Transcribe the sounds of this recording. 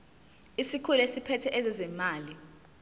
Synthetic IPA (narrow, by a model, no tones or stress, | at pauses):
isikʰulesipʰɛtʰɛʔɛzɛzɛmaːli